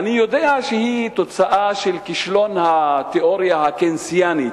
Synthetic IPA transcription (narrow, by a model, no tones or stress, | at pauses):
anijod̪eaʃehit̪ot͡saʔaʃelkiʃlonhat̪eʔoʁjahakensijani